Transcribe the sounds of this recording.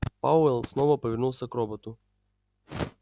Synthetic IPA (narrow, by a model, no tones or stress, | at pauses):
paɛlˠsnɔvɐpəvʲɪrnulˠsʲɐkɾɔbɔt̪ʊ